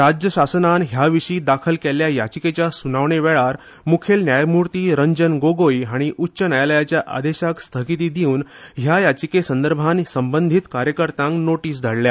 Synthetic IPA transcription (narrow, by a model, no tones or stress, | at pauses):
ɾad͡ʑjəɕasnanɦjaʋiʂiːd̪akʰəlkeljajat͡ɕiket͡ɕjasunaʋɳeʋɛɭaɾ | mukʰelnjajmuɾt̪iːɾəɲd͡ʑənɡoɡojɦaɽ̃iʔutːɕənajaləjat͡ɕjaʔa̰d̪eɕakst̪ʰəkit̪̬iːd̪iuːnɦjajat͡ɕikesənd̪əɾbʱansəmbənd̪ʱit̪kaɾjəkəɾt̪ãŋknoʈiːs̬d̪ʱəɽlja